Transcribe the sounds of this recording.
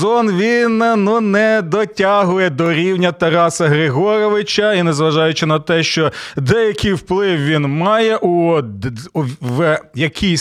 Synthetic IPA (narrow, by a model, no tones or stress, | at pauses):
ɔnʋʲinnunɛd̪ɔtʲɑɦʊjɛd̪ɔɾʲiwnʲɐt̪ɐɾɑsɐɦɾeɦɔɾɔʋɪt͡ʃɐinɛzʋɐʒɑjʊt͡ʃɪnɐt̪ɛʃt͡ʃɔd̪ɛjɐkʲɪjwplˠɪwʋʲinmɑjɛʔu | ʋjɐkʲʰisʲ